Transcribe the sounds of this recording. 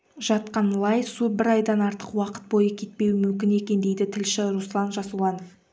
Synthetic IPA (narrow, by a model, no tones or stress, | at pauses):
ʒɑt̪qɑnlˠɑjsubɪɾɑjd̪ɑnɑɾt̪ə̥qwɑqə̥t̪̚bo̞jəkʲʰe̞t̪̚pe̞wɪmʏmkʲɪne̞kʲe̞nd̪e̞jd̪ɪt̪ʰɪlʃɪɾuslˠɑnʒɑsulˠɑnf